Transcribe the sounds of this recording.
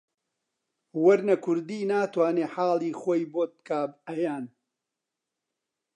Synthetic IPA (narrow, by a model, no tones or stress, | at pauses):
wɐɾnɐkʰʊɾd̪iːnaːt̪waːneːħaːlˠiːxoːjboːt̪̚kaːbɐjaːn